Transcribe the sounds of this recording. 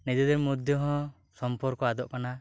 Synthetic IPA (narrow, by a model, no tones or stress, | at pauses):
nid͡ʒɔd̪ɛɾmɔd̪ʱjɔɦɔ̃ | sɔmpɔɾkɔad̪ɔʔkana